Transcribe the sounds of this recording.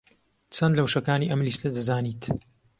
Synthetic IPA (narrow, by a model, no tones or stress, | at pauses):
t͡sʰɐnd̪lɐwʃɐkaːniʔɐmlist̪ɐd̪ɨzaːniːt̪